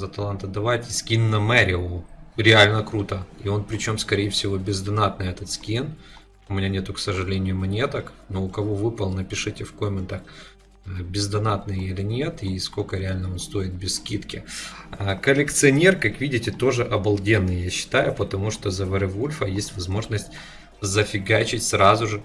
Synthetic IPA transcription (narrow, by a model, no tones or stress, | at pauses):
zɐt̪ɐlˠant̪əd̪ɐvajtʲɪsʲkʲinːɐmɛɾʲɪʊɾʲɪalʲnəkɾut̪əio̞npɾʲɪt͡ɕo̞mskɐɾʲejɪfsʲɪvo̞bʲɪzd̪ɐnat̪nɨjɛt̪ət̪skʲin | ʊmʲɪnʲanʲe̞t̪ʊksəʐɨlʲenʲɪjʊʊmɐnʲe̞t̪əknoʊkɐvo̞vɨpəlˠnəpʲɪʂɨtʲɪfkomʲɪnt̪əx | bʲɪzd̪ɐnat̪nɨjelʲɪnʲet̪isko̞lʲkəɾʲɪalʲnəo̞nst̪o̞ɪt̪̚bʲɪsskʲit̪kʲɪ | əkəlʲɪkt̪sɨɐnʲe̞rkakvʲidʲɪtʲɪt̪o̞ʐɨʔɐbɐlˠdʲe̞nːɨjjaɕːɪ̥t̪ajʊpət̪ɐmuʂt̪ozɐvəɾɨvolʲfəjesʲtʲvɐzmo̞ʐnəsʲtʲ | zəfʲɪɡat͡ɕɪtʲsɾazʊʐɨ